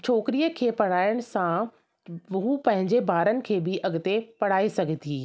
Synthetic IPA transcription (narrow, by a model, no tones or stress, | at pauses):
t͡ɕʰoːkɪɾijəkʰeːpɐɽ̤aːɪɽ̃̆sã | ɦupɐ̃ɦɪ̃ɲd͡ʑebaːɾənɪ̆kʰeːbɪʔɐɡɪt̪epɐɽ̤aːisɐɡʱət̪ʰiː